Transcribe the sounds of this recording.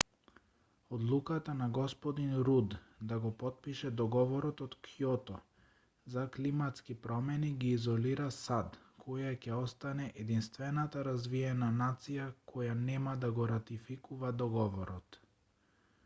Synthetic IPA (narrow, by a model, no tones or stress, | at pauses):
ɔd̪lˠukat̪anaɡɔspɔd̪inɾud̪d̪aɡɔpɔt̪̚piʃɛd̪ɔɡɔvɔɾɔt̪ɔt̪kʰijɔt̪ɔ | zaklimat̪skipɾɔmɛniɡiːzɔliɾasad̪kʰɔjacɛɔst̪anɛʔɛd̪inst̪vɛnat̪aɾazviɛnanat̪sijakʰɔjanɛmad̪aɡɔɾat̪ifikuvad̪ɔɡɔvɔɾɔt̪